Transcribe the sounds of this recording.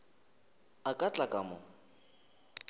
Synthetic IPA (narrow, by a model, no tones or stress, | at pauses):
akʼat͡ɬʼakʼamʊ